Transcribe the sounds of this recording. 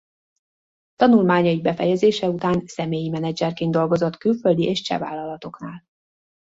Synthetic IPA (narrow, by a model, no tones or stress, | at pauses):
t̪ɒnulmaːɲɒibɛfɛjɛzeːʃɛut̪aːnsɛmeːjimɛnɛd͡ʒɛrkeːnd̪o̞lɡo̞zo̞t̪kylføld̪iʔeːʃt͡ʃɛ̰va̰ːlːɒlɒt̪o̞knaːl